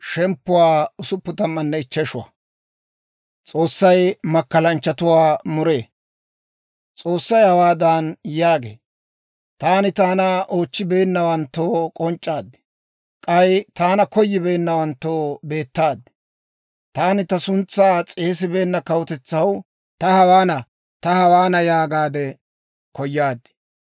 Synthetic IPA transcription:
ʃɛmpːʊwaːʊsʊpːʊt̪ɐmːɐnːɛɪt͡ʃːɛʃʊwɐ̰ | t͡sʼo̞ːsːɐjmɐkːɐlɐnt͡ʃːɐt̪ʊwaːmʊɾe̞ː | t͡sʼo̞ːsːɐjhɐwaːd̪aːnjaːɡḛː | t̪aːnɪt̪aːnɐʔoːt͡ʃːɪbe̞ːnːɐwɐnt̪ːoːkʼɔnt͡ʃʼːaːd̪ːɪ̥ | kʼɐjt̪aːnɐkɔjːɪbe̞ːnːɐwɐnt̪ːoːbe̞ːt̪ːaːd̪ːɛ̥ | t̪aːnɪt̪ɐsʊnt͡sːaːt͡sʼe̞ːs̬ɪbe̞ːnːɐkɐwɔt̪ɛt͡sːɐw | t̪ɐhɐwaːnɐ | t̪ɐhɐwaːnɐjaːɡaːd̪ɛ | kɔjːaːd̪ɪ̥

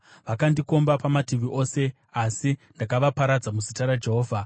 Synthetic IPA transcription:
ʋakandiko̞mbapamatiʋiʔo̞ːse̞ | asindakaʋapaɾad͡zamuzitaɾad͡ʒe̞ɦo̞ːvʱa

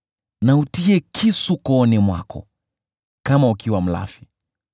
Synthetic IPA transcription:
nautiɛkʰisukɔːnɛmwa̰kɔ̰ | kamaukiwam̩la̰fi̥

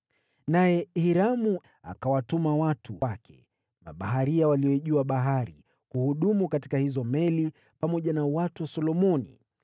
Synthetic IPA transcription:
najɛhiɾamu | a̰kawatumawatʰuakʰɛ̰ | maɓaɦaɾiawaliɔʄuaɓaɦaɾḭ | kuhuɗumukati̥kahizɔmɛli | pamɔʄanawatuwasɔlɔmɔnḭ

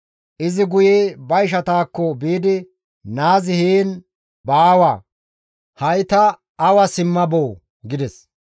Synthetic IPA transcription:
ʔɪzɪɡʊjebɐjʃ̬ɐt̪aːkːɔbiːd̪ɪ | naːzɪhiːn | baːwaː | hɐjt̪ɐː | wɐsɪmːɐboː | ɡɪd̪ɛs

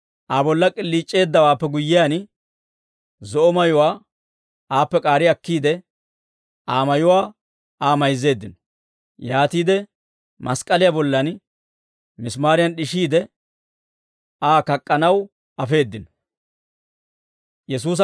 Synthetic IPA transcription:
ʔaːbɔlːɐkʼɪlːiːt͡ʃʼːe̞ːd̪ːɐwaːpːɛɡʊjːɪjan | zɔʔɔmɐjʊwaː | aːpːɛkʼaːɾɪɐkːiːd̪ɛ | aːmɐjʊwaː | aːmɐjzːe̞ːd̪ːɪnɔ | jaːt̪iːd̪ɛ | mɐskʼɐlɪjabɔlːɐn | mɪsmaːɾɪjɐnɗɪʃiːd̪ɛ | aːkɐkʼːɐnɐw | ɐfe̞ːd̪ːɪnɔ̥ | jɛs̬uːs̬

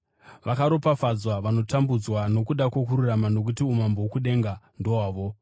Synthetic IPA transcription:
ʋakaɾo̞pafad͡zwaʋano̞tambud͡zwano̞kuɗakwokuɾuramano̞k̬utiumambowokuɗe̞ŋɡandowaːʋo̞

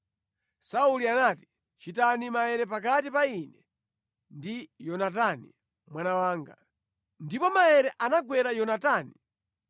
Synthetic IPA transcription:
saulianati̥ | t͡ʃitanimaɛɾɛpak̬atipainɛ | ndijɔnatanḭ | mwanawaːŋɡa̰ | ndipɔmaɛɾɛʔanaɡwɛɾajɔnataːni

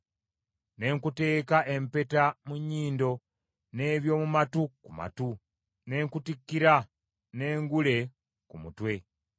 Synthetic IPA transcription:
ne̞ːŋkute̞ːkaʔe̞mpe̞tamuɲːiːndo̞ | ne̞ːβjo̞ːmumatukuma̰tu | ne̞ːŋkutikːiɾa | ne̞ːŋɡule̞ | kumṵtwe̞

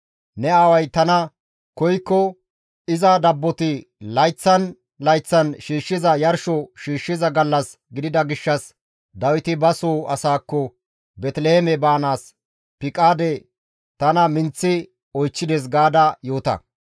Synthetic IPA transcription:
nɛaːwɐjt̪ɐnɐ | kɔjkːɔ | ɪzɐd̪ɐbːɔt̪ɪlɐjt͡sːɐn | lɐjt͡sːɐnʃiːʃːɪzɐjɐɾʃɔʃiːʃːɪzɐɡɐlːɐs | ɡɪd̪ɪd̪ɐɡɪʃːɐs | d̪ɐwɪt̪ɪbɐsoːɐsaːkːɔ | bɛt̪lehɛmɛbaːnaːs | pɪkʼaːd̪ɛ | t̪ɐnɐmɪnt͡sːɪ | ɔjt͡ʃːɪd̪eːs̬ɡaːd̪ɐjo̞ːt̪ɐ̰

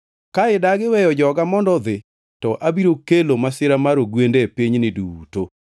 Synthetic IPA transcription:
kaɪdaɡɪwɛjɔd͡ʒɔɡamɔndɔðɪ | tɔʔabiɾokelomasɪɾamaɾoɡwendɛpiɲnɪduuto

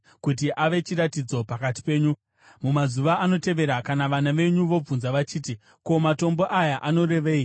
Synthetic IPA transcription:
kut̬iʔaʋe̞t͡ʃiɾatid͡zo̞pakati̥pe̞ːɲu | mumazuʋaʔːno̞te̞ʋe̞ɾakanaʋanaʋe̞ɲuʋo̞b͡vunzaʋat͡ʃiːt̬i | ko̞mato̞mbo̞ʔajaʔano̞ɾe̞ʋeːi

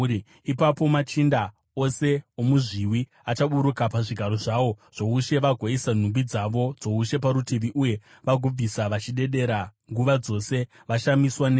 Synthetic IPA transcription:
i | ipapo̞mat͡ʃinda | o̞se̞omuʐiwi | at͡ʃaɓuɾukapaʐiɡʱaɾo̞ʐawo̞ʐ̥o̞uʃe̞ʋaɡʱoisan̤umbid͡zaʋo̞d͡zo̞uʃe̞p̬aɾutiʋiʔuje̞ | ʋaɡʱub͡visaʋat͡ʃiɗe̞ɗe̞ɾaŋɡuʋad͡zo̞se̞ | ʋaʃamiswane

